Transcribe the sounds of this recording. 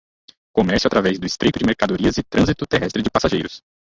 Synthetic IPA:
komɛɾsjat̪ɾavɛzd̪ʊɪst̪ɾijt̪ʊd͡ʒɪmeɾkad̪oɾiɐzɪt̪ɾɐ̃zit̪ʊt̪eɦɛst̪ɾɪd͡ʒɪpasaʒejɾʊs

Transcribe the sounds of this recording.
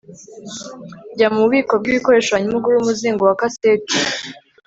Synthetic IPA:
ɟamuβiːko̞b̚ɡiβiko̞ɾe̞ːʃaβaɲimuɡuɾuumuziːŋɡowakaseːti̥

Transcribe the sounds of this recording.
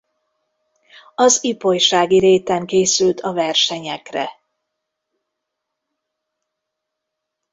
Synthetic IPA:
ɒzipo̞jʃaːɡiɾeːt̪ɛŋkeːsylt̪ʰɒvɛrʃɛɲɛkrɛ̰

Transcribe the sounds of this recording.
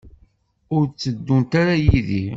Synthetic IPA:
ʊɾt͡sːəd̪ːunt̪aɾajiðḭ

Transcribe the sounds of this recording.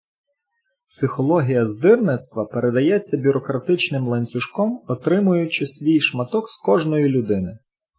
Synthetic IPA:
psɪxɔlˠɔɦʲijɐzd̪ɪrnɪt̪st̪ʋɐpeɾe̞d̪ɐjɛt͡sʲːɐbʲʊɾɔkɾɐt̪ɪt͡ʃnɪmlˠenʲt͡sʲʊʃkɔmɔt̪ɾɪmʊjʊt͡ʃɪsʲʋʲijʃmɐt̪ɔkskɔʒnɔjilʲʊd̪ɪnɪ

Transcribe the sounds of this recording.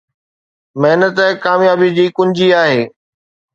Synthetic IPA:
mɐɦɪnət̪kaːmjaːbid͡ʑiːkʊ̃ɲd͡ʑiaːɦeː

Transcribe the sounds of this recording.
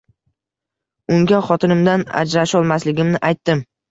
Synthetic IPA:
ʊŋɡʲaχɒt̪ʰɪnɪmd̪ana̰d͡ʒɾaʃɒlˠmaslɪɡʲɪmnɪʔajt̪ːɪm

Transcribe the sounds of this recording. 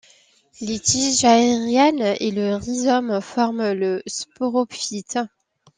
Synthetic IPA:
let̪iʒaeʁjɛneləʁizɔmfɔʁmləspoʁɔfit̪

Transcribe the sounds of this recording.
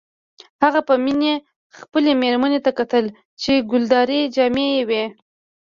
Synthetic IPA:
haɣapəmine | xpəlemeɾmanet̪akat̪əl | t͡ʃeɡʊld̪ɑɾed͡ʒɑmejewe

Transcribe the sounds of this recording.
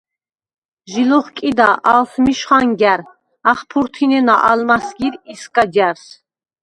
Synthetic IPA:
ʒilɔχkʼid̪aʔalsmiʃχaŋɡæɾ | aχpʰuɾt̪ʰinɛnaʔalmasɡiɾiskʼadaɾs

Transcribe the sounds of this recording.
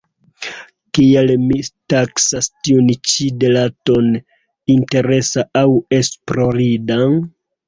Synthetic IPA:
kielmitaksastiunt͡ʃide̞laton | inte̞ɾe̞saawe̞spɾo̞ɾidan

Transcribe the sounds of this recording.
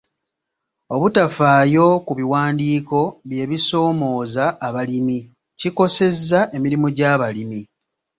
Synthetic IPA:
o̞βutafaːjo̞kuβiwaːndiːko̞βje̞ːβiso̞ːmo̞ːzaːβalimi | ciko̞se̞zːaʔe̞miɾimuɟaːβalimi

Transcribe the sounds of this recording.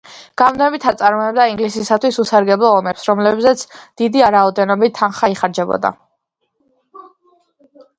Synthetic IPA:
ɡ̥avnɛbit̪ʰat̪sʼaɾmɔɛb̚d̪aiŋɡlisisat̪ʰwisusaɾɡɛblˠɔːmɛpsɾɔmlɛbzɛt̪sʰd̪̥id̪iaɾaɔd̪ɛnɔbit̪ʰːanχaiχaɾd͡ʒɛbɔ̰d̪a̰

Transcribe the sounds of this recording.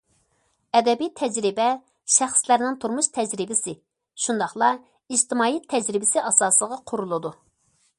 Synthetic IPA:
ɛd̪ɛbijɛt̪ʰːɛd͡ʒɾɪbɛ | ʃæχslæɾnɪŋt̪ʰuɾmuʃt̪ʰɛd͡ʒɾɪbɪsɪ | ʃund̪ɑχlˠɑ | id͡ʒt̪ʰɪmɑːjɛt̪ʰːɛd͡ʒɾɪbɪsɪʔɑsɑːsəlˠəʁɑqʰʊɾulˠɨd̪u

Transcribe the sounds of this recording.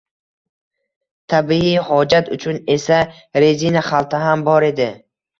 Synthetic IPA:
t̪ʰabiihɒd͡ʒat̪ʊt͡ʃʰune̞sa | ɾezinaχalˠt̪ʰaɦambɒɾe̞d̪ɪ

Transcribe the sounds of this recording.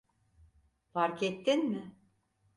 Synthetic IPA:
faɾkɛt̪ːinmɪ

